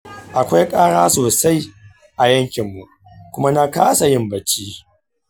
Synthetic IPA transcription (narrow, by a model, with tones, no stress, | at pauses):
ʔa˨kʷa˦jkʼaː˦ɽaː˦soː˨sa˦j | ʔa˨jɐ˦ŋkʲɪ˨mːu˨ | kʷʊ˦ma˦na˦kaː˦sa˨jɪ˦mbɐ˨t͡ʃiː˦